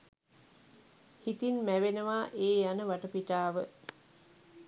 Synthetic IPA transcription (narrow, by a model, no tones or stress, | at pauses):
hit̪inmæʋenəʋaːʔeːjanəʋaʈəpiʈaːʋə